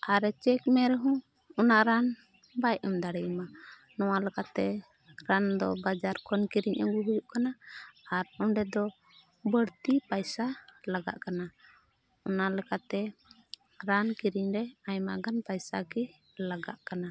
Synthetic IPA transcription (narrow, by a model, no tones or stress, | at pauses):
ʔaɾɛt͡ʃɛkmɛɾɛɦũ | ɔnaʔɾan | bajɔmd̪aɽɛjma | nɔwalɛkat̪ɛ | ɾand̪ɔbad͡ʒaɾkɔnkiɾiɲʔaɡuɦujuʔkanaːɾɔɳɖɛd̪ɔ | bəɽt̪ipajsalaɡa̰ʔkana | ɔnaʔlɛkat̪ɛ | ɾankiɾiɲɾɛaɲma̰ɡanpajsa̰ki | laɡa̰ʔkana